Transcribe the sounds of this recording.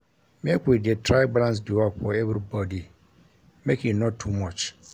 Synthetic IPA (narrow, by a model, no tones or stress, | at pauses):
mɪ̃ɛkʊedɪɛtʰɹaɪbalãns̬duwafɔɛvɾibɔdi | mekinɔ̃tʰːumɔt͡ʃ